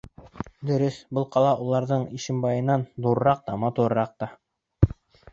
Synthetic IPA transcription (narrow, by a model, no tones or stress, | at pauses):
d̪ɵ̆ɾɘsbɤlˠqɑlˠɑʔulˠɑɾðɤɴiʃɘ̆mbɑjɤ̆nːɑnd̪uɾɤ̆ɾɑq̚t̪ɑmɑt̪uɾɤɾɑq̚t̪ɑ